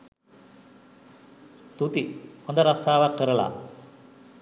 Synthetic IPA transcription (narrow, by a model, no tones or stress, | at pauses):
t̪ut̪iond̪ɐɾɐst̪aːʋɐkːɐɾɐɭa̰